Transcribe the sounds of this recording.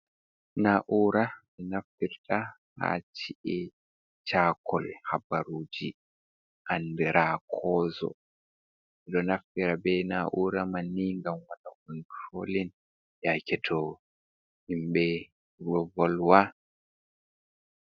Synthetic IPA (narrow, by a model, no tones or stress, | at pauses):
naʔuːɾamɛnafiɾtʰa | ha̰t͡ʃiʔɛ | t͡ʃaːkʰɔlhabaɾuːd͡ʒi | ʔandɛɾʔaːkʰɔːzɔ̰ | ɛɗɔnafiɾabɛnaʔuːɾamanːiŋɡamwatakunfolin | jakɛtʰɔ | imɓɛ | ɡɔvɔlwa